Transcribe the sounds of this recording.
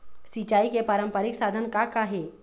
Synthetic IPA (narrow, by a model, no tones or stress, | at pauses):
sit͡ʃaːikepaɾəmpəɾɪksaːd̪ʱənkakaɦe